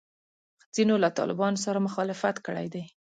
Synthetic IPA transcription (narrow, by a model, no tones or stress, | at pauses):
z̥inolat̪ɑ̰lɪbɑnos̬aɾamʊxɑlɪfat̪kəɽa̰jd̪aj